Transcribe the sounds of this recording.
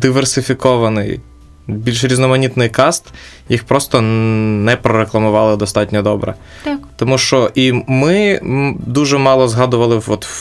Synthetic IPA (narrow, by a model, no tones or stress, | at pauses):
d̪ɪʋersɪfʲikɔʋɐnɪj | bʲilʲʃɾʲiznɔmɐnʲit̪nɪjkɑst̪ | jixpɾɔst̪ɔnɛpɾɔɾeklˠɐmʊʋɑlˠɪd̪ɔst̪ɑtʲnʲɔd̪ɔbɾɛ̰ | t̪ɔmuʃt͡ʃɔʔimɪ | d̪uʒɛmɑlˠɔzɦɑd̪ʊʋɐlˠɪɔt̪